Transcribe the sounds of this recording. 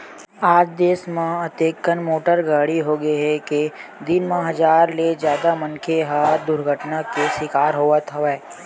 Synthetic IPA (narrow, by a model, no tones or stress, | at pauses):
aːd͡ʒd̪eːsmãɐt̪eːkːənmoːʈəɾɡaːɽiɦoɡəiɦɛked̪ɪnmãɦɐzaːɾled͡ʒjaːd̪amɐ̃ŋkʰeɦad̪ʊɾɡʱəʈnakesɪkaːɾɦoːat̪ʰəʋɛː